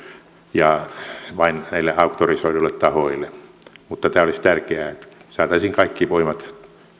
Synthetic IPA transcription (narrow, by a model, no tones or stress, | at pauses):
jɑʋɑinnæilːeɑukt̪orisoilulːett̪ɑhoilːemut̪ːɑt̪æːolist̪ærkeæːet̪sɑːt̪ɑisiːŋkɑikːiʋoimɑt̪